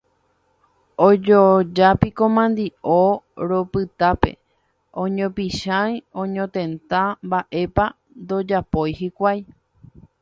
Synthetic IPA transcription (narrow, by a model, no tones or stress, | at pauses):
od͡ʒod͡ʒapikomãnd̪iʔoɾo̞pɨt̪ape̞̰ | õɲõpiʃãjõɲõt̪ẽ̞nt̪ambaʔe̞pa | nd̪o̞d͡ʒapojhikʷaj